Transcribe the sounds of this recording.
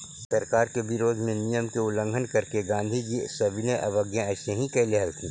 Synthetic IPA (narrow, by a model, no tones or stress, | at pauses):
sɐɾkaːɾkebɪɾoːd̪ʱmẽnijəmkeʊlə̃ŋɡʱənkɐɾkeɡãːnd̪ʱikisɐbʱineʔɐʋɐɡjãɐʃẽɦĩkɛɦleɦɐlt̪ʰĩː